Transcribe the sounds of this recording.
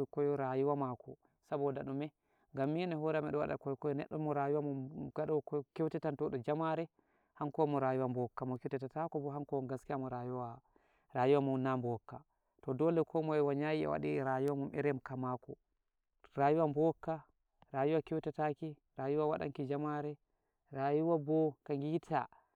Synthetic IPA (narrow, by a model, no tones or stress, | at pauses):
kɔjɔɾajuwamakɔ | sabɔdaɗumɛ | ŋɡamːinɛɦɔɾɛmɛɗɔwa̰ɗa̰kɔjɔkɔjɔnɛ̰ɗːɔmːɔɾajuwamɔmɡ̥aɗɔkɔkɛwtɛtantɔɗɔd͡ʒamaɾɛ | haŋkɔmɔɾajuwambɔkːamɔkɛwtɛtatakɔbɔɦaŋkɔɡaskiamɔɾajuwa | ɾajuwamɔmnambɔkːa | tɔdɔlɛkʰɔmɔɛwaɲajiɛ̰wa̰ɗiɾajuwamɔmʔɛ̰ɾɛmkamakɔ | ɾaːjuwambɔkːa | ɾajuwakɛwtataki | ɾajuwawa̰ɗa̰ŋkid͡ʒamaɾɛ | ɾajuwabɔkaŋɡitʰa̰